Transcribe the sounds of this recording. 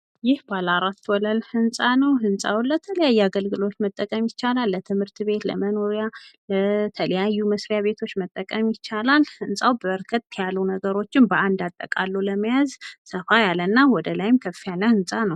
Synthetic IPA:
jɪhbalaɾat̪ːwɔləlhɨnsʼanəwhɨnsʼawlət̪ʰələjajːuaɡəlɡɨlo̞t̪mət̪ʼːəkʼəmjɪt͡ʃːalalːət̪ʰɨmhɨɾt̪be̞t̪lə̰mənoɾjalət̪ʰələjajːuməsɾjaβe̞t̪ʰo̞t͡ʃːmət̪ʼːəkʼəmjɪt͡ʃːalalhɨnsʼawbəəɾkʰət̪̚ʼːʰijalːunəɡəɾo̞t͡ʃːɪnbəʔand̪at̪ʼːə̰kʼalːuləmijazsəfajalənːawɔd̪əlajɪmkʰəfːijalːəhɨnsʼanəw

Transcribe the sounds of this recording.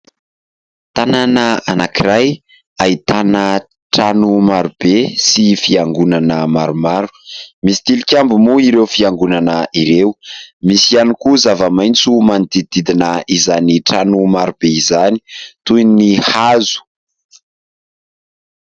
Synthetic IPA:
t̪ananəanakiɾaj | ait̪anə | ʈ͡ʂanumaɾubesifiaŋɡunanəmaɾumaɾu̥misi̥t̪ilikʲambumuiɾewfiaŋɡunanəiɾeumisianikuzavəmajnt͡sumanid̪id̪id̪inəizaniʈ͡ʂanumaɾub̥eizani̥t̪ujnihazu̥

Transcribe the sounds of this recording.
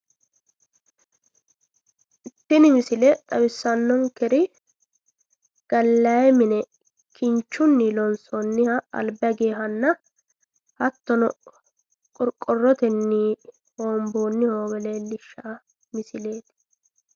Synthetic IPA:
ʔɪt̪ːɪnɪmɪsɪlɛt̪ʼɐwɪsːɐnːɔŋkɛɾɪ | ɡ̥ɐlːɐjɛmɪnɛ | kɪnt͡ʃːʊnːɪlɔnsɔnːɪhɐɐ̰lbɐɡeːɦɐnːɐ | hɐt̪ːɔnɔ | kʼɔɾkʼːɔrːɔt̪ɛnːiː | hoːmboːnːɪhoːwɛleːlːɪʃːɐʔɐ | mɪsɪle̞ːt̪

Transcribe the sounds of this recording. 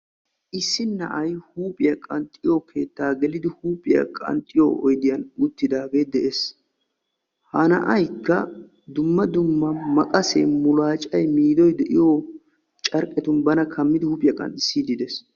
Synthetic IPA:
ʔɪsːɪnːɐ̰ʔɐjhuːpʼɪjɐkʼɐnt̪ʼːɪjokʰe̞ːt̪ːaːɡɛlɪd̪ɪhuːpʼɪjɐ̰kʼɐ̰nt̪ʼːɪjo̰ɔjd̪ɪjɐnʊt̪ːɪd̪aːɡe̞ːd̪ɛʔes | hɐnɐ̰ʔɐjkːɐ | d̪ʊmːɐd̪ʊmːɐmɐkʼɐsḛːmʊlaːt͡ʃʼɐjmiːd̪ɔjd̪ɛʔɪjo | t͡ʃʼɐɾkʼɛt̪ʊnbɐnɐkʰɐmːɪd̪ɪhuːpʼɪjɐkʼɐ̰nt̪ʼɪsːiːd̪ɪd̪ɛs

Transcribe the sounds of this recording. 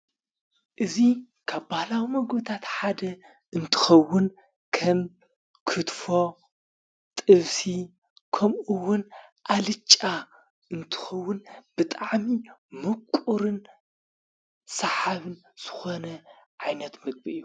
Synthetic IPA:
ʔɨzi | kʰaβbahlawimɐɡbɨt̪ʰat̪ħad̪ɐ | ʔɨnt̪ʰɨ̥xɐwːʊn | kʰɐm | kʰɨt̪fo̞ | t̪ʼɨβsi | kʰɐmʔɨwːʊnʔalɨt͡ʃʼːa | ɨnt̪ʰɨ̥xɐwːʊnb̥ɨt̪ʼaʕmimɨkʷʼːuɾɨn | sɐħaβɨn | z̥ɨ̥xonɐʕajnɐt̪mɨɡ̚biɨjːu

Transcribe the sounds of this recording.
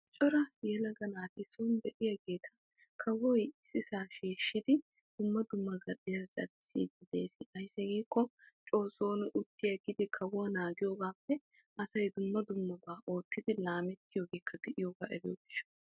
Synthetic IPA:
t͡ʃʼɔɾɐjɛlɐɡɐnaːt̪ɪsɔnd̪ɛʔɪjɐɡe̞ːt̪ʰɐ | kʰɐwɔjɪsɪsaːʃeːʃːɪd̪ɪ | d̪̥ʊmːɐd̪ʊmːɐɡɐdɪjazʼɐ̰ɾɪsḭːd̪ɪd̪eːsɪɐjsːɛɡiːkːɔt͡ʃʼo̞ːso̞ːnʔʊt̪ːɪjɐɡɪd̪ɪkʰɐwanaːɡɪjoːɡaːfːɛ | ʔɐsɐjd̪ʊmːɐd̪ʊmːɐbaːʔoːt̪ːɪd̪ɪlaːmɛt̪ːɪjoːɡe̞ːkʰːɐd̪ɛʔɪjoːɡa̰ːʔɛ̰djoːɡɪʃːɐ̥

